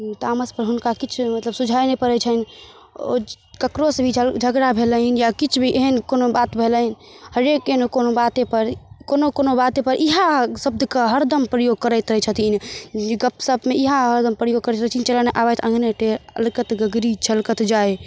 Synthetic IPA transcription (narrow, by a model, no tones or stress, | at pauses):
t̪aməspəɾɦunkakit͡ʃʰmət̪ləbsud͡ʒʱajnepəɾɛt͡ʃʰən | o̰ | kəkɾosbʱid͡ʒʱəɡɾabʱeləɦinjakit͡ʃʰbʱiʔeɦənkonobat̪bʱeləin | həɾekenokonobat̪epəɾkonokonobat̪epəɾʔiɦãsəb̚d̪ʱkəɦəɾd̪əmpɾəjoɡ̚kəɾət̪ɾɦt͡ʃʰət̪inɡəpsəbmeiɦãɦəɾd̪əmpɾəjoɡ̚kəɾɛɾət͡ʃʰint͡ʃələneʔabɛt̪ʰə̃ŋɡneʈeɾə̰lkət̪ɡəɡɾit͡ʃʰəlkət̪d͡ʒae